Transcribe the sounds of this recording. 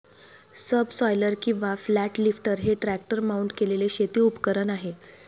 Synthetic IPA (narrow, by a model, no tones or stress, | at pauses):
səbsɔjləɾkĩw̃ʋaflæʈlifʈəɾɦeʈɾæk̚ʈəɾmauɳʈkeleleɕet̪iːupkəɾənaɦe